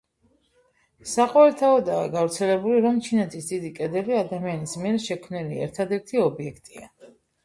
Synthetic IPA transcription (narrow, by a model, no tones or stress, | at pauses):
saqʼɔɛlt̪ʰaɔd̪aːɡavɾt̪sʰɛlɛbuliɾɔmt͡ʃʰinɛt̪ʰisd̪id̪ikʼɛd̪ɛbiad̪amianismiɛɾʃɛkʰmniliɛ̰ɾt̪ʰad̪ɛɾt̪ʰiɔbiɛkʰt̪ʼia̰